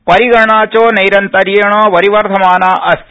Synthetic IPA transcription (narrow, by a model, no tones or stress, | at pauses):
pɐɾiɡɐɳaːt͡ʃoːnɐjɾɐnt̪ɐɾijɐɳɐʋɐɾiʋɐɾd̪ʱɐmaːnaːʔɐs